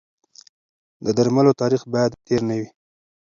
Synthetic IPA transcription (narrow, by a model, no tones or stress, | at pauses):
d̪əd̪aɾmalot̪ɑɾixbɑjad̪t̪eɾnawi